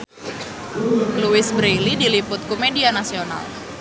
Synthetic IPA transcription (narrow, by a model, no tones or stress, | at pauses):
luɪsbɾejlidilipʊt̪̚komedianasiona̰l